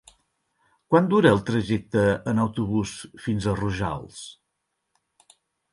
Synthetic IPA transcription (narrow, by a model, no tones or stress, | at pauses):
kwand̪uɾəːlˠt̪ɾəʒɛk̚t̪əənəwt̪uβusfinzəruʒa̰lˠs